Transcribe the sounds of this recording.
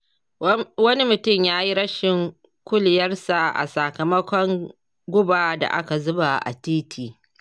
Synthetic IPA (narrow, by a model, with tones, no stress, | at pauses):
wɐ˦ni˦mʊ˨tʊ˦˨mjaː˦ji˦ɾɐ˦ʃɪ˨ŋ | kʷʊ˦lɪ˨jɐ˦rsa˨ʔa̰˨sa˨kɐ˨mɐ˦kʷɔ˦ŋ | ɡʷʊ˦baː˨da̰˨ʔa̰˦ka˨zʊ˦ba˨ʔa̰˨tiː˦tʰiː˨